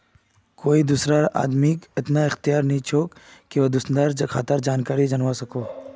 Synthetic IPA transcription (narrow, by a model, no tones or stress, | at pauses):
koːid̪uːsɾaa̰ːd̪miːkɪt̪naɪxt̪ɪjaːɾnɐɦĩt͡ʃʰoːkkeʋɐd̪ʊsd̪aɾkʰa̰ːt̪əɾd͡ʒaːnkaːɾid͡ʒɐnʋasɐkoː